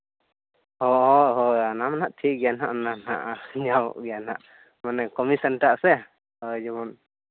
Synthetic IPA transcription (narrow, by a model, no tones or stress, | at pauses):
hɔɦɔɦɔjanamanaʔtʰiʔɡɛjanɦaʔnana̰ʔaɲawɔ̰ʔɡɛjanha̰ʔ | manɛkɔmisənʈaʔsɛ | əjd͡ʒɔbɔn